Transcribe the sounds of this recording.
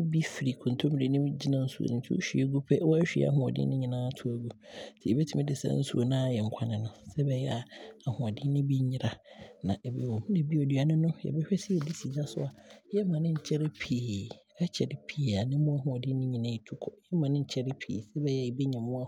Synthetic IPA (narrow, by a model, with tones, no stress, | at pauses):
bi˦fi˨ɾi˨kʰɔ̃˨n˨tʰõ˦m˨ɾi˨nɪ̃˦m˦d͡ʑi˦nã˦˨n̩˦su˨o̰˨nɪ̃˨˦tʰi˦o̰˦ɕᶣi˦e˦ɡu˦pʰɛ˦wɔ˦æ˦ɕᶣḭ˨˦a̰˨ɦʊ̃˨ɔ˨dɪ̰˦nɪ̃˦ɲĩ˨nãː˦tʰʊ˦æ˨ɡu˦tʰi˨ɛ˨bɛ˦tʰi˦mɪ̃˦dɪ˨sa̰˦n̩˦sṵ˨o˨nãː˦˨jɛ˨ŋ̩˨˦kʷʰa˦nɪ̃˨nʊ̃˨sɛ˦bɛ˨jɛ˦a˨a˨hʊ̃˨ɔ˨dɪ̃˦nɪ̃˦bi˦ɲɪ̃˦ɾa˨nã˨ʔɛ˨bḭ˦wɔ̃˨m˦nɪ̃˨bi˦ɔ˨dɥa˨nɪ̃˦nʊ̃˦jɛ̰˨bɛ˦ɕᶣɛ˦sɪ˦ɛ˨di˦si˨d͡ʑa˦sʊ̰˦a˨jɛ˦mã˨nɪ̃˦ɲ̩˨t͡ɕʰɛ˦ɾɪ˦pʰiː˨ | ɛ˦t͡ɕʰɛ˨ɾɪ˨pʰi˨˦˨a˨nɪ̃˦mʊ̃˦a˦ɦʊ̃˨ɔ˨dɪ̃˦ɲɪ̃˦ɲĩ˨nã˦˨i˨tʰu˦kʰɔ˨jɛ˦mã˨nɪ̃˦ɲ̩˨t͡ɕʰɛ˦ɾɪ˦pʰḭ˨sɛ˦bɛ˨jɛ˦a˨i˨be˦ɲã˨mʊ̃˦a˦